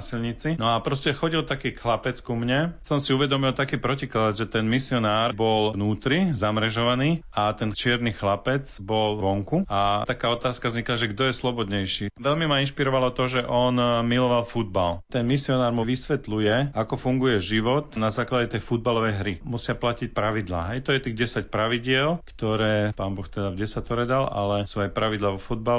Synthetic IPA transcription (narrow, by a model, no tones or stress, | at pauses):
asilɲit͡sinɔapɾɔscɛxɔɟilt̪akiːkxlapɛt͡skumɲɛsɔmsiuʋɛd̪ɔmilt̪akiːpɾɔciklad̪ʒɛt̪ɛnmisiɔnaːɾbɔlʋnuːt̪ɾizamɾɛʒɔʋaniː | at̪ɛnt͡ʃɪɛɾniːxlapɛt͡sbɔlʋɔŋkuat̪akaːɔt̪aːskavzɲiklaʒɛɡd̪ɔjɛslɔbɔd̪ɲɛjʃiːʋɛlmimainʃpiɾɔʋalɔt̪ɔʒɛʔɔnmilɔʋalfud̪̚balt̪ɛnmisiɔnaːɾmuʋisʋɛt̪lujɛakɔfuŋɡujɛʒiʋɔt̪nazaːklaɟɛt̪ɛjfud̪̚balɔʋɛjɦɾimusɪaplacic̚pɾaʋid̪la̰ːɦɛjt̪ɔjɛt̪iːɣɟɛsac̚pɾaʋiɟɪɛlktt̪ɔɾɛːpaːnbɔxt̪ɛd̪avɟɛsat̪ɔɾɛd̪ala̰lɛsuːajpɾaʋid̪laʋɔfud̪̚bal